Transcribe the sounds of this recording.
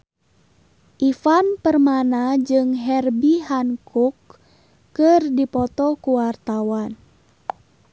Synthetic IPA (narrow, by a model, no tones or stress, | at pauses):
ʔifanpərmanad͡ʒɨŋɦɛrbihankukː | ɨrdipɔt̪ɔkuwart̪awan